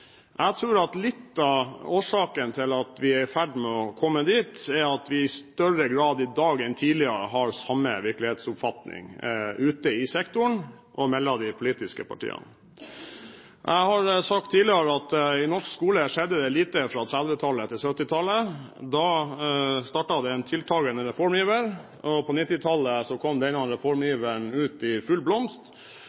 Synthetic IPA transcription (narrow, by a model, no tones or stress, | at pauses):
ʔæɪt̪ʰɾʉːɾɑt̪lɪt̪ːɑoːʂɑːkənt̪ʰɪlɑt̪ʋɪæfæɖmɛɔkʰɔmːəd̪iːt̪ɛɑt̪ʋɪɪst̪œɾəɡɾɑːd̪ɪd̪ɑːɡɛnt̪ʰiːlɪəɾə̰ɦɑɾsɑmːə̰ʋɪɾklɪheːt̪sʊpfɑt̪nɪ̰ŋʉːt̪əɪsɛkt̪ʊɳ | ʔɔmɛlːɑd̪ɪpʰʊliːt̪ɪskəpʰɑ̰ʈʰḭːə̰nə | ʔæɪhɑɾsɑk̚t̪ʰːiːlɪɑɾəɑt̪ɪnɔʂkskuːləʂɛd̪ːəd̪ɛliːt̪əfɾɑt̪ʰɾɑd̪ʋət̪ʰɑlːət̪ʰɪlsœt̪ːɪt̪ʰɑlːəd̪ɑː | st̪ɑːʈɑd̪ɛːnt̪ʰɪlt̪ʰɑːɡənəɾɛfɔɾmjiːʋəɾ | ɔpʰɔnɪt̪ːɪt̪ʰɑlːəsɔkʰɔmd̪ɛɪnɑnɾɛfɔɾmjiːʋəɳʉːt̪ɪfʉlblɔmst̪